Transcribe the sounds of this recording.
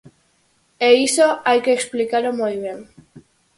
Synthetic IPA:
eisoajkeːksplikalomujβje̞ŋ

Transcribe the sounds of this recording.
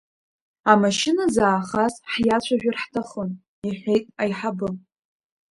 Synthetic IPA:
amaʃɪnazaːχasħjat͡ɕʷʰaʒᶣarħtʰaχon | iħʲʷe̞jtʼajħabɨm

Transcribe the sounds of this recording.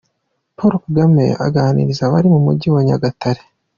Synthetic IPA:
poɾokuɡamḛʔa̰ɡaːnḭɾizaβaɾimumṵɟiwaɲaɡataɾe

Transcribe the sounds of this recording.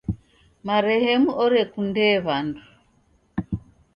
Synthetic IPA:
maɾɛhɛmuʔɔɾekundɛːβandu

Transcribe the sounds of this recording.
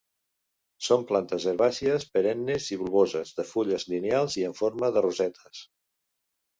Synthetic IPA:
somplant̪əzəɾβasiəspəɾɛnːeziβulˠβozəzðəfuʎəzlinealˠziəɱfoɾməðəruzɛt̪ʰə̥s

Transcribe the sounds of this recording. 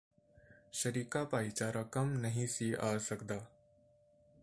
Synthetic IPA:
ʃɐɾiːkapaːit͡ʃaːɾɐkɐmnɐɦĩsiʔaːsɐkd̪aː

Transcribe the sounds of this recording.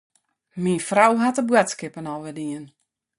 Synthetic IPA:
minfrawɦatəbwatskɪpənɔlʋɪdiən

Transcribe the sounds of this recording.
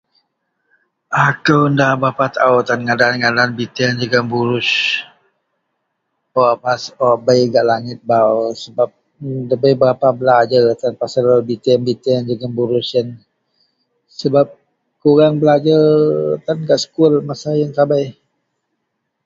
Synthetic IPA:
ʔakəwndahbapat̪awt̪anŋadaanŋadaːnbit̪iand͡ʒəɡambuɾʊs | oapasobəjɡaʔlaŋɪt̪̚bawsəbap̚ | dəbəjbəɾapabəlad͡ʒərt̪anpasalabit̪anbit̪iand͡ʒəɡanbuɾʊsən | səbap̚ | kuɣaŋbəlad͡ʒət̪anɡaʔsə̥kʊlmasajaŋtabaj

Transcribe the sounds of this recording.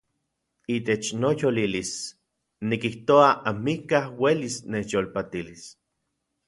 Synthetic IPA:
it̪et͡ʃnojolilis | nikiht̪oaʔamikahwelisnejolpat̪ilis

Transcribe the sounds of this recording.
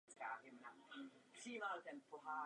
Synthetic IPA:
t͡ska̰ːɦɪmnapr̥iːmalt̪ɛnpoɦaː

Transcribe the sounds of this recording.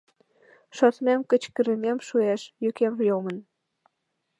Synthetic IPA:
ʃot̪memkə̆t͡ɕkə̆ɾə̆mʲemʃueʃjøkemjomə̆n

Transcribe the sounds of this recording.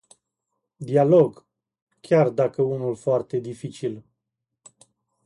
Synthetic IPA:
d̪ialoɡ | kʲard̪akəunulfoart̪e̞d̪ifit͡ʃil

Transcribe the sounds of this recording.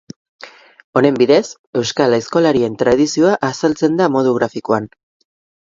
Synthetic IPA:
o̞ne̞mbiðe̞s | e̞wskalajsko̞laɾie̞nt̪ɾað̞isio̞aʔasalt͡se̞nd̪amo̞ð̞uɣɾafikoan

